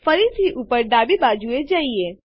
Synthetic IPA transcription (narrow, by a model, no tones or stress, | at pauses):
fəɾit̪ʰiʔupəɾɖaːbibaːd͡ʒued͡ʒaːie